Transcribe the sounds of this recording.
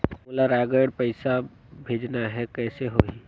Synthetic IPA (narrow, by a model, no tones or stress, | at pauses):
oːlaɾɛːɡəɖpɐɪsa | bʱeːd͡ʒnaɦɛkɛːseɦoi